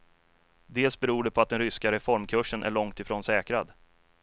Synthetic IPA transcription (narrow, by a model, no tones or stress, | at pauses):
d̪eːlsbɛɾuːɖɛpʰɔat̪̚d̪ɛnɾʏskaɾɛfɔɾmkʰɵʂːənʔæ̰ɭɔŋkt̪ɪfɾoːnsɛːkɾad̪